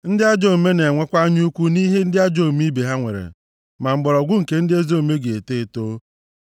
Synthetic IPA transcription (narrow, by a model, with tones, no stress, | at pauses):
n̩˦dɪ˦a˦d͡ʒo˦˨me˦ne˨ŋʷe˦kʷa˦ɲ˦u˦kʷu˦ni˦ɦe˦n̩˦dɪ˦a˦d͡ʒo˦˨mi˦be˨ɦa˦ŋʷḛ˨ɾḛ˨ | ma˨m̩˨ɡ͡bɔ˨ɾɔ˨ɡʷʊ˦ŋ̩˨ke˨n̩˦dɪ˦e˦zo˦˨me˦ɡe˨e˨te˦˨to˦